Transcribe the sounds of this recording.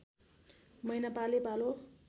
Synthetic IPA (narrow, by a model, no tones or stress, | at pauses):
mʌjnapalipalo